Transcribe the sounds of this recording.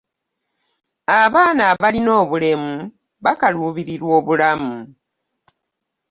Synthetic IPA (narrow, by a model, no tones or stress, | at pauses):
aβaːnaβalino̞ːβule̞mu | βakaluːβiɾiɾwo̞ːβulamu